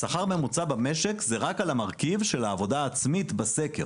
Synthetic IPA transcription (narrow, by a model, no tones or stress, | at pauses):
saχaʁme̞mut͡sabameʃekzeʁakalamaʁkivʃe̞laːvo̞d̪aːt͡smit̪base̞ke̞̰ʁ